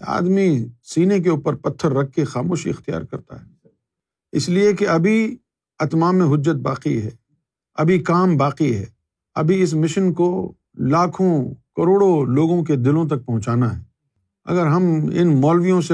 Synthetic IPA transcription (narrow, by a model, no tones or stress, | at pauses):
a̰ːd̪misiːnek̬euːpəɾpɐt̪ʰːəɾːɐkʰːexaːmoːʃiɪxt̪ija̰ːɾkɐɾt̪a̰ɦɛː | ɪsliekeɐbʱi | ɐt̪maːmːẽɦʊd͡ʒːət̪̚ba̰ːqiɦɛ̰ː | ɐ̰bʱikaːmbaːqiɦɛ̰ː | ɐ̰bʱiɪs̬mɪʃənko | laːkʰõkɐɾoːɽoloːɡõk̬ed̪ɪlõt̪̬ɐk̚pɐ̃ɦʊ̃t͡ʃaːnaɦɛ̰ː | ɐ̰ɡəɾɦɐmɪ̰nmɔːlʋijõse